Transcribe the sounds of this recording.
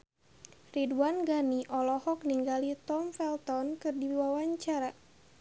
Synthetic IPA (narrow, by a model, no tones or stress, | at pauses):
riduanɡaniʔɔlɔhɔkniŋɡalit̪ɔmfɛlt̪ɔnkɨrdiwawaɲt͡ʃaɾa